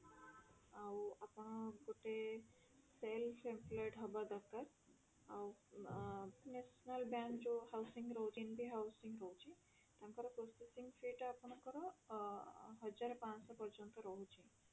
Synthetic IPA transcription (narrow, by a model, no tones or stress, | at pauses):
awapɔɽ̃ɔɡoʈe | selfʰempʰlɔjʈɦɔbad̪ɔɾk̪aɾ | aw | nesnalbankd͡ʒuhawsiŋɡɾɔɦut͡ʃʰinbʱiɦawsiŋɡɾɔɦut͡ʃʰi | t̪amkɔɾɔpɾosesiŋɡfʰiʈapɔɳ̃ɔkɔɾɔ | ɦɔd͡ʒaɾɔpãnsɔpɔɾd͡ʒɔnt̪ɔɾɔɦut͡ʃʰi